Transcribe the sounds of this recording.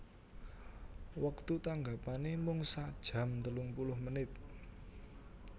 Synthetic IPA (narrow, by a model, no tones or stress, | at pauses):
wək̚t̪ut̪aŋɡapanemʊŋsad̥ʒ̥ä̤mt̪əlʊŋpulʊhmənɪt̪̚